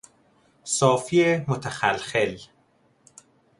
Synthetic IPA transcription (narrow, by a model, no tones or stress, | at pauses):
sɒːfiemot̪ʰæxælxel